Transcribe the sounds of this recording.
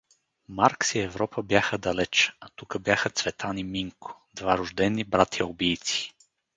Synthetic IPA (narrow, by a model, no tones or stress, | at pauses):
maɾksiɛvɾɔpəbjaxəd̪ɐlɛt͡ʃat̪ukəbjaxət̪svɛt̪ʰanimiŋkʊ̥d̪vaɾʊʒd̪ɛnːibɾat̪ʲiʊbijt̪si̥